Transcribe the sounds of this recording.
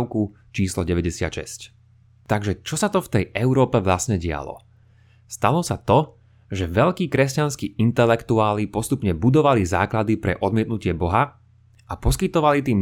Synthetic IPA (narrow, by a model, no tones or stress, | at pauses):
ʊku | t͡ʃiːslɔɟɛʋɛɟɛsɪa̰t̪ʃɛ̰sc | t̪aɡʒɛt͡ʃɔsat̪ɔft̪ɛjɛʊɾɔːpɛʋlasɲɛɟɪa̰lɔ̰ | st̪alɔsat̪ɔ | ʒɛʋɛʎkiːkɾɛscanskiːint̪ɛlɛkt̪uaːlipɔst̪upɲɛbud̪ɔʋaliza̰ːklad̪ipɾɛ̰ʔɔd̪̚mɪɛt̪nucɪɛbɔɦa | apɔskit̪ɔʋalit̪̬iːm